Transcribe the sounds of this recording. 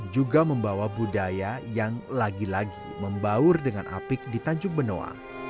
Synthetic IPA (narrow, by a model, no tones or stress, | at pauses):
d͡ʒuɡaməmbawabudajajaŋlaɡilaɡḭməmbaʊrdəŋanʔa̰pɪk̚dit̪aɲd͡ʒʊŋ̚bəno̰a̰